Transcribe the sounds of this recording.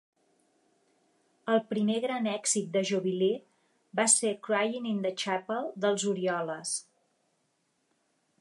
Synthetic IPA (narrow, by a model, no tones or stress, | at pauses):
əlˠpɾimeɣɾanɛɡzit̪̚d̪əʒuβile | basekɾwajinind̪ət͡ʃapəlˠd̪əlˠzuɾiɔləs